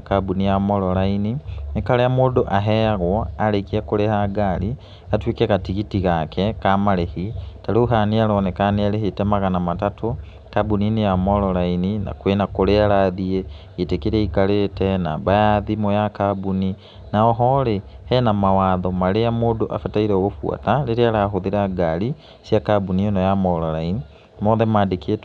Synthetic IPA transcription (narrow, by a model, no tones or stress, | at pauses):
kabunijamoloɾaininekaleamoːdoʔaɦeaɣwoalekiakoɾehaɡali | atwiːkekatiɣitiɣakʰekamalehitaluɦanialonekanealehetemaɣanamatato | tabuninejamololainina̰kwenakoɾealaðie | etekeɾɛikaletɛnaːbajaðimojakabuni | naɔɦɔɾehɛnamawaːðɔmaɾejamoːdoʔa̰fataiɾeoɣofwa̰taleɾeaɾaɦoðiɾaɡali | sjakabuninɔjamɔɾɔlaini | moðɛmadeket